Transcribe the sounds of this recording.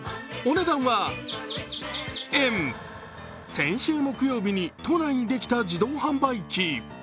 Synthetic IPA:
o̞ne̞d̪ãɰ̃βa | em | sẽ̞ɰ̃ɕɨːmo̞kɯ̟jo̞ːbʲiɲ̟it̪o̞naiɲ̟id̪e̞kʲi̥t̪ad͡ʑid̪o̞ːhãmbaikʲi

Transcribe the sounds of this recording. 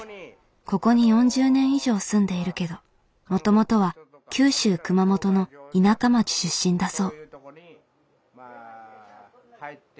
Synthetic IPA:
ko̞ko̞ɲ̟ijõ̞ɲ̟d͡ʑɨːnẽ̞ɰ̃iʑo̞ːsɨ̃nd̪e̞iɾɯ̟ke̞d̪o̞ | mo̞t̪o̞mo̞t̪o̞β̞a | kʲɨːɕɨːkɯ̟mamo̞t̪o̞no̞inakamat͡ɕi̥ɕɨɕːĩnd̪aso̞ː

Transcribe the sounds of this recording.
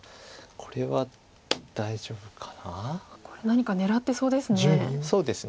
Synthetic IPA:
kʰo̞ɾe̞βa | d̪̥aiʑo̞ːbɯ̟kʰḁnako̞̥ɾe̞naɲ̟ikane̞ɾat̪ːe̞so̞ːd̪e̞sɨneso̞ːd̪e̞sɨ

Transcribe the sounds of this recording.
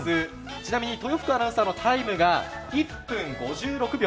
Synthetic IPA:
ɨ | t͡ɕinamʲiɲ̟it̪o̞joɸɯ̟̥kɯ̟anãɰ̃sɨ̥saːnot̪ʰaimɯ̟ɡaipːɯ̟̃ŋɡo̞ʑɨːɾo̞kɯ̟bʲo

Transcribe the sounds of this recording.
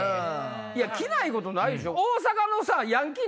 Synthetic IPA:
iakʲinaiko̞t̪o̞naid̪eɕooːs̬akano̞sajãŋk̬ʲi

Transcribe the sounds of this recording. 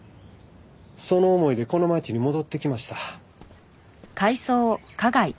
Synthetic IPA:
so̞no̞ːmo̞id̪e̞ko̞no̞mat͡ɕiɲ̟imo̞d̪o̞t̪ːe̞kʲimaɕi̥t̪a | kaiso̞ːkaɡai

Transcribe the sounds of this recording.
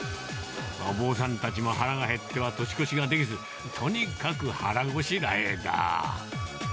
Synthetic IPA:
maobo̞ːs̬ãnt̪at͡ɕimo̞haɾaɡaɦe̞t̪ːe̞βat̪o̞ɕi̥ko̞ɕiɡad̪e̞kʲizɨ | t̪ʰo̞ɲ̟ikakɯ̟haɾaɡo̞ɕiɾa̰ed̪a̰

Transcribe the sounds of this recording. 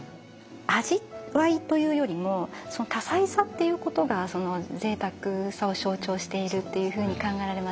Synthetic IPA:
aʑiβait̪o̞jɯ̟ːjo̞ɾʲimo̞so̞no̞t̪asaisat̪ːe̞jɯ̟ːko̞t̪o̞ɡaso̞no̞ze̞ːt̪akɯsao̞ɕo̞ːt͡ɕo̞ːɕi̥t̪e̞iɾɯ̟t̪ːe̞jɯ̟ːɸɯ̟ːɲ̟ikãŋɡaiɾaɾe̞ma

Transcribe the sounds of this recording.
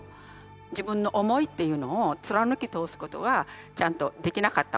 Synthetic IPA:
d͡ʑibɯ̟̃nːo̞ʔomo̞it̪ːe̞jɯ̟no̞ːt͡sɨɾanɯ̟kʲit̪o̞ːsɨ̥ko̞t̪o̞̰ɡa | t͡ɕãnt̪o̞d̪e̞kʲinakat̪ːa

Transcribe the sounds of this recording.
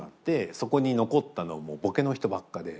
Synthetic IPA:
at̪ːe̞so̞ko̞ɲ̟ino̞ko̞t̪ːano̞βamo̞ːbo̞ke̞no̞çi̥t̪o̞bakːad̪e̞

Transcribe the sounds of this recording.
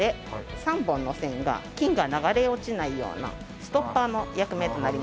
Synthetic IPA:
e̞ | sãmbõ̞nːo̞sẽ̞ŋɡa̰kʲĩŋɡanaɡaɾe̞ot͡ɕinaijo̞̰ːna̰ | sɨ̥t̪o̞pːano̞jakɯ̟me̞t̪o̞naɾʲim

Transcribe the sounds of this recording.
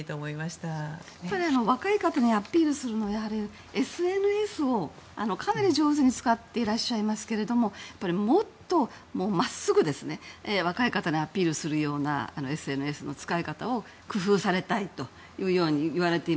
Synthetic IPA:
t̪oːmoimaɕi̥t̪ajapːaɾʲiano̞βakaikat̪aɲ̟iapʲiːɾɯ̟sɨɾɯ̟no̞jaɦaɾʲi | e̞sɨe̞nɯ̟e̞sɨo̞ | a̰no̞kʰanaɾʲiʑo̞ːzɨɲ̟it͡sɨ̥kat̪ːe̞iɾaɕːaimasɨ̥ke̞ɾe̞d̪o̞mo̞japːaɾʲimo̞t̪ːo̞ | mo̞ːmasɨɡɯ̟d̪e̞sɨne̞βakaikat̪aɲ̟iapʲiːɾɯ̟sɨɾɯ̟jo̞ːna̰a̰noe̞sɨe̞nɯ̟e̞sɨno̞t͡sɨ̥kaikat̪ao̞ | kɯ̟ɸɯːsaɾe̞t̪ait̪o̞ | jɯ̟ːjo̞ːɲ̟iiβ̞aɾe̞t̪e̞i

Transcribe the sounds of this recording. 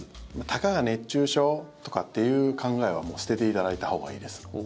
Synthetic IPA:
mat̪ʰakaɡane̞t͡ɕːɨːɕo̞ːt̪o̞kat̪ːe̞jɯ̟ːkʰãŋɡae̞β̞a̰mo̞ːsɨ̥t̪e̞t̪e̞it̪ad̪ait̪aho̞ːɡa̰ḭːd̪e̞sɨ̥

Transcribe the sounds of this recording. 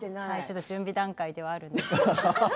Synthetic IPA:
hait͡ɕo̞t̪ːod͡ʑɨ̃mbʲid̪ãŋkaid̪e̞βaːɾɯ̟̃nd̪es

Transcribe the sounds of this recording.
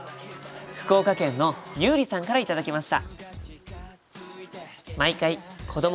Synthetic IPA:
ɸɯ̟̥ko̞ːkakẽ̞nːo̞jɯ̟ːɾʲisãŋkaɾait̪ad̪akʲimaɕi̥t̪a̰ | maikaikʰo̞d̪o̞m

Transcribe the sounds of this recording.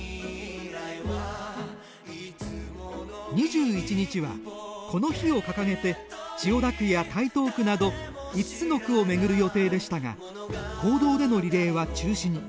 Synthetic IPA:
ɲ̟iʑɨːit͡ɕiɲ̟it͡ɕiβa̰ko̞no̞çio̞kakaŋe̞t̪e̞t͡ɕio̞d̪akɯ̟jat̪ait̪o̞ːkɯ̟nad̪o̞ | it͡sɨ̥t͡sɨno̞kɯ̟o̞me̞ɡɯ̟ɾɯ̟jo̞t̪e̞ːd̪e̞ɕi̥t̪aŋa̰ | kʰo̞ːd̪o̞ːd̪e̞no̞ɾʲiɾe̞ːβat͡ɕɨːɕiɲ̟i

